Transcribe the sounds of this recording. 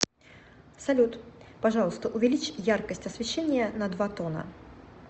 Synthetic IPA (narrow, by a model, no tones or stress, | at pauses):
salʲut̪paʐalˠəst̪ɐʔuvʲɛlʲit͡ɕjarkəsʲtʲɐsʲvʲɪɕːenʲɪjɐnɐd̪vat̪ɔnɐ̰